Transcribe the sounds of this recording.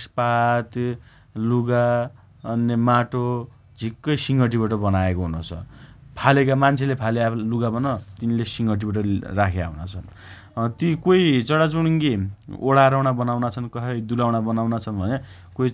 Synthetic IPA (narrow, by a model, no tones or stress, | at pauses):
spat̪ | luɡa | ʌnːemaʈo | d͡zʱikːʌjsiŋɡʌʈ̬ibaʈʌbʌnaekoɦunot͡sʰʌ̰pʰalekamant͡sʰelepʰalealuɡabʌnʌt̪inlesiŋɡʌʈ̬ibaʈ̬ʌrakʰea̰wnat͡sʰʌn | t̪ikojt͡sʌɽat͡suɽŋɡioɽaɾawɽ̃abʌnawnat͡sʰʌnkʌɦʌjd̪ulawɽabʌnawnat͡sʰʌnbʱʌne | koi